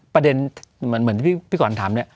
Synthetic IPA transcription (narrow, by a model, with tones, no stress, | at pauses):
pɾa˧de˧nm˩˦nm˩˦niː˦i˥˩pʰiː˥˩kʰɔː˨˩˦nt̪ʰaː˩˦ni˥˩